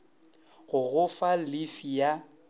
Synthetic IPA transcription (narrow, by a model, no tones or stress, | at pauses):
ɣʊɣʊfalɪfija